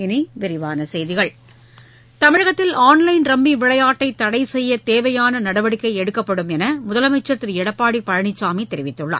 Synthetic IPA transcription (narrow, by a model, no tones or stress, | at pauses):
ɪniʋɪɾɪʋaːnɐsɛjðɪɣɐɭ | t̪ɐmɪɻɐɣɐt̪ːɪlaːnlɐɪnɾɐmːiʋɪɭɐjaːʈːɐɪt̪ːɐɽɐɪsɛjːɐt̪eːʋɐjaːnɐnɐɽɐʋɐɽɪkːɐɪɛɽɯkːɐpːɐɽɯmɛnɐmʊðɐlɐmɐɪt͡ʃːɐt̪ːɪɾɪɽɐpːaːɽipːɐɻɐɳɪt͡ʃːaːmiːt̪ːɛɾɪʋɪt̪ːɯɭːa̰ː